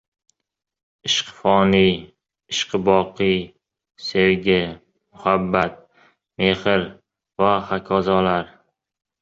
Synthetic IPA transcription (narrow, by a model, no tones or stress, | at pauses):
ɪʃqfɒnij | ɪʃqɨbɒqʰɨj | se̞wɡʲɪ | mʊhabːat̪̚ | me̞hɪɾ | vahakʰɒzɒlaɾ